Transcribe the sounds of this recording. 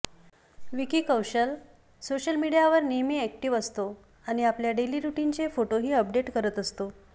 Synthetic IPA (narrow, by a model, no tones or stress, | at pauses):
ʋikiːkəwɕəl | soɕəlmiɽijaʋəɾnemiɛkʈiʋəst̪o | aɽ̃iapljaɖeliːɾuʈint͡sefoʈoɦiːəp̚ɖeʈkəɾət̪əst̪o